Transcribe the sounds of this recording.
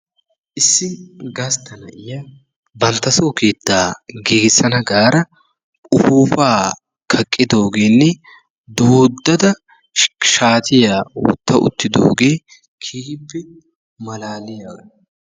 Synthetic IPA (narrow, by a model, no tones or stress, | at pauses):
ʔɪsːɪnɡɐst̪ɐnɐʔɪja | bɐnt̪ːɐsoːke̞ːt̪ːaːɡeːɡɪsːɐnɐɡaːɾɐ | ʊfuːfaː | kʰɐkʼːɪd̪o̞ːɡe̞ːnːɛ | d̪oːd̪ːɐd̪ɐ | ʃaːt̪ɪjaːwɔ̰t̪ːɐʔʊ̰t̪ːɪd̪oːɡe̞ː | kʰiːɪpːɛ | mɐlaːlɪjaɡɐ